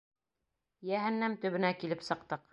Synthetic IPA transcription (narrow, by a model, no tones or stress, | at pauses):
jæɦænːæmt̪ɵ̆βɘ̆nækilɘpsɤ̆qt̪ɤq